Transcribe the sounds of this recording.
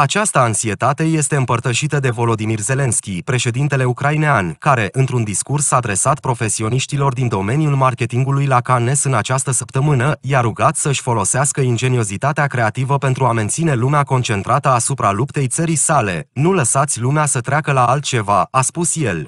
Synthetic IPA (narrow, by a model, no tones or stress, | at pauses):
at͡ʃast̪əːnsie̞t̪at̪e̞je̞st̪e̞ɨmpərt̪əʃit̪əd̪e̞vo̞lo̞d̪imirze̞le̞nskʲipɾe̞ʃe̞d̪int̪e̞le̞ukɾaineankaɾe̞ʔɨnt̪ɾund̪iskursːaːd̪ɾe̞sat̪pɾo̞fe̞sio̞niʃt̪ilo̞rd̪ind̪o̞me̞nijulmarkʲe̞t̪iŋɡulujlakane̞sɨnat͡ʃast̪əsəpt̪əmɨnəjaɾuɡat̪səɨʃʲfo̞lo̞seaskəind͡ʒe̞nio̞zit̪at̪eakɾe̞at̪ivəpe̞nt̪ɾuame̞nt̪sine̞lumeako̞nt͡ʃe̞nt̪ɾʔat̪əasupɾalupt̪e̞jt̪səɾisale̞̰nuləsat̪sʲlumeasət̪ɾeakəlaalt̪̚t͡ʃe̞vaaspusje̞l